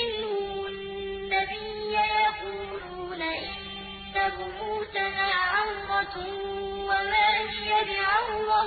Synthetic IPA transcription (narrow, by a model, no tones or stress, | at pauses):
ɪnːʊ | nːabɪjːajɑquːluːnaʔɪn | tabʊmuːt̪anaːʕawmɑ | wamaːhɪjabɪʕawɾˤɑ